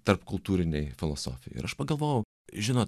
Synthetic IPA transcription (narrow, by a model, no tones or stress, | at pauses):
t̪ɐɾpkʊlˠt̪uːɾʲɪnʲɛɪfʲɪlˠo̰so̰ːfʲɪjɛ̰ɪɪ̰ɾɐʃpɐɡɐlˠʋoːjɛʊ | ʒʲɪnoːt̪